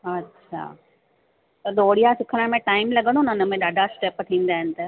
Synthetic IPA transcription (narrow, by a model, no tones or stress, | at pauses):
ɐtːʃʰa̰ː | t̪ɐɗ̪oːɽijasɪkʰəɽ̃əmẽʈaːɪmlɐɠəɽ̃onɐnəmẽɗaːɖʱasʈeːpt̪ʰĩːn̆d̪aːɦɪnɪ̆t̪ɐ